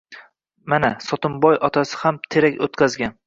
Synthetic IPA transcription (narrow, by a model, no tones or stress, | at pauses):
manasɒt̪ʊmbɒjɒt̪ʰasɪ̥hamt̪ʰe̞ɾakʲot̪kʲʰazɡʲan